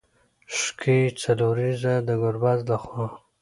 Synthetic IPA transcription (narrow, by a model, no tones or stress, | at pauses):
ʂkʰit͡saloɾizad̪əɡʊɾbazlaxwɑ